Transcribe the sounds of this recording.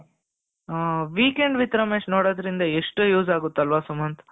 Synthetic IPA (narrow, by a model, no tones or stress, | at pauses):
ʋiːkeɳɖʋit̪ɾɐmeːʂnoːɽoːd̪ɐɾind̪ɐeʂʈjuːd͡ʒaːɡut̪ːɐlʋaːsumɐnt̪